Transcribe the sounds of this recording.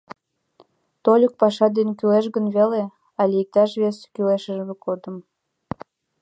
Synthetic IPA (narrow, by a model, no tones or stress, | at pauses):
t̪olʲək̚pɑʃɑd̪enkyleʃɣənβele | ɑlʲijək̚t̪ɑʃβeskyleʃəʒmekod̪əm